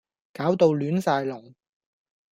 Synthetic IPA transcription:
kaː˨˥wt̪o˧wlyː˨˥nsaː˧jlɔː˨˩ŋ

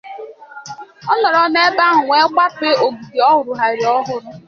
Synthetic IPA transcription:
ɔ˦nɔ˨ɾɔ˨ne˦ba˦ɦʊ˨ŋʷe˦kʷa˦pe˦o˨ɡu˨di˨ɔ˦ɦʊ˨ɾʊ˨ɦa˨ɾi˨ɔ˦ɦʊ˦ɾʊ˦

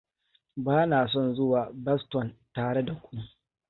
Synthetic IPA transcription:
baː˦naː˨s̬ɔ˦nzʊ˦waː˨bɐ˦stɔ˨ntaː˨ɽe˦da˨kʷʊ˦nu˦

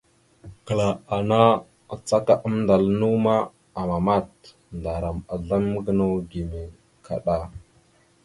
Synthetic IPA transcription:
kə˨la˨a˨na˦ | a˨t͡sa˦ka˨ʔə˦mnda˨lnu˦ma˦ | a˨ma˨ma˦˨t | nda˨ɾa˨ma˨ɮa˦mə˦ɡə˦no˦ɡi˨me˨ | kʰa̰˨ɗa˦

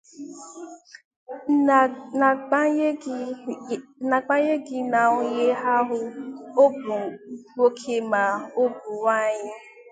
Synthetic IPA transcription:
na˨k͡pa˦je˦ɡɪ˦na˨ʊ˨ɲe˦ɦa˦ɦʊ˦o˦bɡ͡bo˦kʰe˦ma˨o˦bʊ˨wa˦˨ɲɪ˦

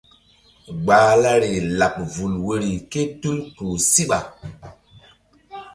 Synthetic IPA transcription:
ɡ͡baː˨˦la˦ɾe˨la˨p̚vu˨lwe˨ɾi˨ke˦tu˦lku˨si˦ɓa˨

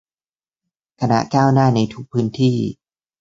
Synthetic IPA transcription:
kʰa˧na̰˧˥kaː˥˩wnaː˥˩na˧jt̪ʰu˦˥k̚pʰɯː˨˦˥nt̪ʰiː˥˩

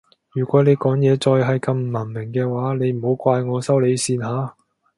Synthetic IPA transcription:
jyː˨˩kʷɔː˨˥ne˨˧jkɔː˨˥ŋjɛː˨˧t͡ʃɔː˧jɦɐ˨jkɐ˧mm̩˨mɐ˨˩nmɪ˨˩ŋkɛː˧waː˨˥ne˨˧jm̩˨˩ho˨˥wkʷaː˧jŋɔː˨˧sɐ˥wle˨˧jsiː˧nɦaː˨˥

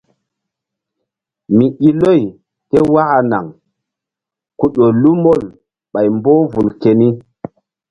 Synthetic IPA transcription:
mi˨ʔi˦lo˦˨j | ke˦wa˦ʔa˨na̰˨ŋ | ku˦˨ɗo˨lu˦mo˦˨l | ɓa˨jmbo˦vu˨lke˨ni˦

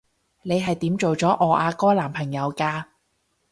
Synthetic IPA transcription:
ne˨˧jɦɐ˨jt̪iː˨˥mt͡so˨wt͡sɔː˨˥ʔɔː˨˧ʔaː˧kɔː˥laː˨˩mpʰɐ˨˩ŋjɐ˨˧wkaː˧

